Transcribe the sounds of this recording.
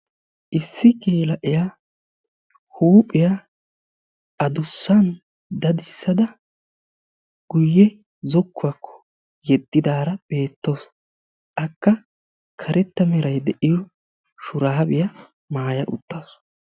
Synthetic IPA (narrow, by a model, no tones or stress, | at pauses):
ʔɪsːɪkʼeːlɐʔɪjaː | huːpʼːɪja | ʔɐd̪ʊsːɐn | d̪ɐd̪ɪsːɐd̪ɐ | ɡ̥ʊjːɛ | zɔkːʊɐkʰːɔ̥ | jɛd̪ːɪd̪aːɾɐb̥e̞ːt̪ːoːs | ʔɐkːɐ | kʰɐɾɛt̪ːɐmɛɾɐjd̪ɛʔɪjɔ | ʃʊɾaːbɪjɐ | maːjɐʔʊ̰t̪ːoːs